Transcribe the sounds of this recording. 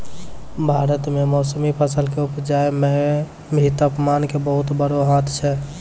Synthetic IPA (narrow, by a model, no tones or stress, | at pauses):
bʱaːɾət̪memɔːsəmipʰəsəlkeupd͡ʒaemɛ | bʱit̪əpmankebəɦut̪bəɾoɦãt̪ʰt͡ʃʰɛ